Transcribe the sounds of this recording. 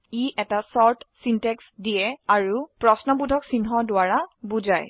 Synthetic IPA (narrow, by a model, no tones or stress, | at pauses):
iʔɛtasɔɹtʰsintɛksdiɛaɹupɹɔsnɔbudʱɔksinɦɔdʊaɹabud͡ʒaj